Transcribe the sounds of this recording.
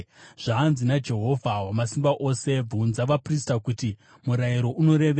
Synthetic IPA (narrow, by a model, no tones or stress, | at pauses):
ʐ̥aːnzinad͡ʒe̞ɦo̞vʱawamasimbaʔo̞se̞b͡vunzaʋapristakuti | muɾaiɾo̞ʔuno̞ɾe̞ʋe